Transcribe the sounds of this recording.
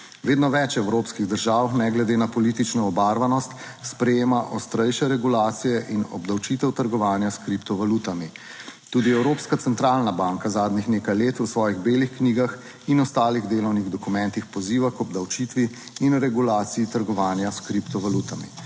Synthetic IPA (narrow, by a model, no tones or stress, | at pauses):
ʋeːd̪nɔʋɛt͡ʃɛwɾoːpskiɣd̪əɾʒaːwxnɛɡlɛd̪eːnapɔlit̪it͡ʃnɔːbaːɾʋanɔst̪spɾɛjeːmaʔɔst̪ɾɛjʃɛɾɛɡulaːt̪sijɛʔinɔ̰bd̪awt͡ʃiːt̪ɛwt̪əɾɡɔʋaːnjaskɾipt̪ɔʋalut̪ami | t̪uːd̪iɛwɾoːpskat̪sɛnt̪ɾaːlnabaːŋkazaːd̪nixneːkajleːt̪usʋɔːjiɣbeːlixkniːɡax | inɔst̪aːliɣd̪eːlɔwniɣd̪ɔkumɛ̃nt̪ixpɔziːʋakɔbd̪awt͡ʃit̪ʋiːnɾɛɡulaːt̪siit̪əɾɡɔʋaːnjaskɾipt̪ɔʋaluːt̪amḭ